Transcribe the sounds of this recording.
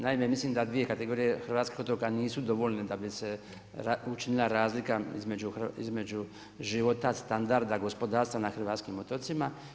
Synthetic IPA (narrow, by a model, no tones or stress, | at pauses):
naime̞mislimd̪ad̪ʋije̞kat̪e̞ɡo̞ːɾije̞xr̩ʋaːt̪ki̥xo̞t̪okaniːsud̪o̞ʋo̞lned̪abise̞ | aut͡ʃinilˠaɾaːzlikaizme̞d͡ʒuxḭzme̞d͡ʒu | ʒiʋo̞t̪ast̪and̪aɾd̪aɡo̞spo̞d̪aːɾst̪ʋanaxr̩ʋaːt̪skimot̪ot̪sima